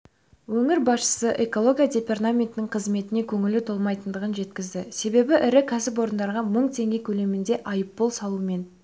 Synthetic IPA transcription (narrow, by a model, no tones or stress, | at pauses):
wɵŋɪɾbɑsʃə̥səʔe̞ko̞lˠo̞ɡʲijad̪ʲe̞pert̪amʲe̞nt̪ɪnɪɴqʰəzme̞t̪ɪne̞kʲʰɵŋɪlɪt̪ʰo̞lˠmɑjt̪ənd̪əʁənʒe̞t̪kʲɪzd̪ɪse̞be̞bɪʔɪɾɪkʲʰæsɪp̬wo̞ɾənd̪ɑɾʁɑməɴt̪ʰe̞ŋɡʲe̞kʲʰɵle̞mɪnd̪e̞ʔɑjəpːolˠsɑlˠuəme̞n